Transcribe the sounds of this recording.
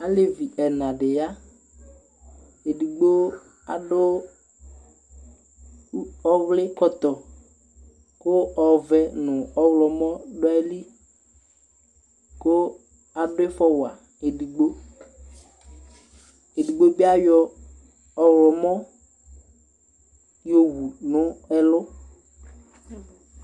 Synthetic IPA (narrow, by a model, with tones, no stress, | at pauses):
a˦le˦vi˨ʔɛ˨nã˨ɖɪ˨ja˦ | e˨di˨ɡ͡bo˦ | a̰˨dʊ˦ | ɔ˦vlɪ˦kɔ˦t̪ɔ˨ | kʊ˦ɔ˨vɛ˦nʊ˨ɔ˦wlɔ˨mɔ˦ɖʊ˦ɛ˦li˦ | ko˦ | a˨ɖʊ˦ɪ˦fɔ˦wa˨ | e˨di˨ɡ͡bo˦ | e˨di˨ɡ͡bo˦bi˦a˦jɔ˦ | ɔ˨wlɔ˨mɔ˦ | jo˦wu˨nʊ̃˦ɛ˦lʊ˦